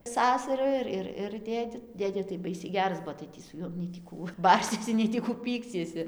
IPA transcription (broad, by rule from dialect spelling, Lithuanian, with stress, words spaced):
ˈsɑːsɐrʊ ɪr ˈɪr ɪr ˈdʲeːdʲɪ ˈdʲeːdʲeː tɐɪ ˈbɐɪsʲɛɪ ˈɡʲæːrɐs ˈbuɔ tɐɪ ˈtʲiː sʊ ˈjuɔm nʲɛɪ tʲiː ˈkuː ˈbɐrʲsʲiɛsʲɪ ˌnʲɛɪ tʲiː ˈkuː ˈpʲiːksʲiɛsʲɪ